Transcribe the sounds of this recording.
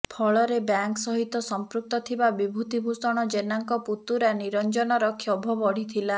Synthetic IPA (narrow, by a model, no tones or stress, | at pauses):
pʰɔɭɔɾebjaŋksɔɦit̪ɔsɔmpɾuk̚t̪ɔt̪ʰibabibʱut̪ibʱusɔɽ̃ɔd͡ʒenaŋkɔput̪uɾaniɾɔnd͡ʒɔnɔɾɔkʰɔbʱɔbɔɽ̤it̪ʰila